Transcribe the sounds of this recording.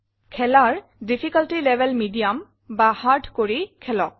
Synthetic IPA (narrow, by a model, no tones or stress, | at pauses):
kʰɛlaɹ | dipʰikaltilɛbʱɛlmidijam | bahaɹdʱkoɹikʰɛlɔk̚